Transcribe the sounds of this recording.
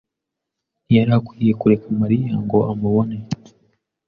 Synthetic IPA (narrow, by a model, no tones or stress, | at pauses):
jaɾakwije̞kuɾe̞kamaɾijaŋɡo̞ʔamuβo̞ne